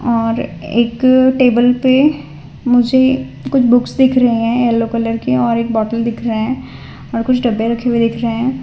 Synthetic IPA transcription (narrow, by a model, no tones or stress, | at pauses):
ɔːɾḛːkʈeːbəlpe | mʊd͡ʒʱe | kʊt͡ʃʰbʊksd̪ɪkʰɾɐɦeɦɛ̃ɛːlːoːkələɾkeɔːɾeːkbɔːʈəld̪ɪkʰɾəɦeɦɛ̃ | ɔːɾkʊt͡ʃʰɖɐbːeɾɐkʰewed̪ɪkʰɾəɦeɦɛ̃ː